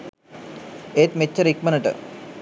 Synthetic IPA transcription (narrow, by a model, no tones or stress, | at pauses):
et̪met͡ɕːɐɾik̚mɐnɐʈɨ̰